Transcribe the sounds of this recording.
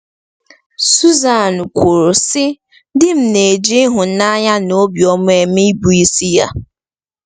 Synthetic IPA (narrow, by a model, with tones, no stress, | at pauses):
su˦za˨nʊ˨kʷu˨ɾʊ˨sɪ˦ | dɪ˦m̩˨ne˨d͡ʒi˦ɦʊ˨na˦ɲa˦no˦bjɔ˦mʊ˦e˨m˦i˦bu˨i˦si˦ja̰˦